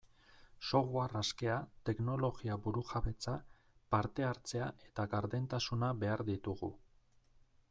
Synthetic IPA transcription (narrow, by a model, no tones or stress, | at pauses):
so̞ɣuaraske̞at̪e̞kno̞lo̞ɣiaβuɾuxaβe̞t͡sa | paɾt̪e̞aɾt͡se̞aʔe̞t̪aɣaɾðe̞nt̪asunaβe̞aɾðit̪uɣṵ